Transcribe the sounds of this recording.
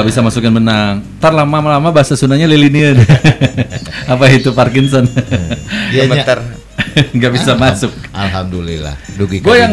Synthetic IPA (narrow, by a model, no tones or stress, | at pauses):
aʔbisamasukanbənaŋt̪arlamamalamabaasasunaɲaliliniən | apaɦit̪uparkɪnsɔn | aməat̪ər | ŋɡaʔbisamasʊk̚ʔalɦamdulḭla̰duɡiɡuajaŋ